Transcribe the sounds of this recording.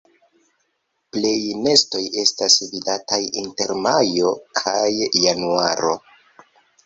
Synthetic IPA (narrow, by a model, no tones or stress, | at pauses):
ple̞jne̞sto̞je̞stasvidatajinte̞ɾmajo̞kʰajːanuaɾo̞